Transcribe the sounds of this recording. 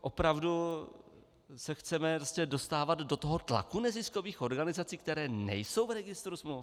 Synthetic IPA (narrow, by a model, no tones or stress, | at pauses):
ʔo̞pɾavdu | sɛxt͡sɛmɛɾoscɛdo̞st̪aːvad̪do̞t̪oɦot̪la̰kunɛzɪsko̞viːxʔo̞ɾɡanɪzat͡siːk̚t̪ɛɾɛːnɛ̰jso̞wvɾɛɡɪst̪ɾusmluf